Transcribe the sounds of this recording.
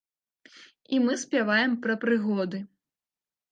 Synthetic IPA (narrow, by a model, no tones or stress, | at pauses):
imɨsʲpʲavajɛmpɾɐpɾɨɣɔd̪ɨ